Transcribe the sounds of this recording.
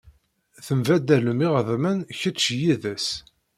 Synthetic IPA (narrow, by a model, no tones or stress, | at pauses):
θəmvæd̪æləmiʁəðmænçət͡ʃːjiðæs